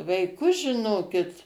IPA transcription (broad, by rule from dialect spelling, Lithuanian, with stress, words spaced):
ʋɐɪˈkʊs ʒʲɪˈnoːkʲɪt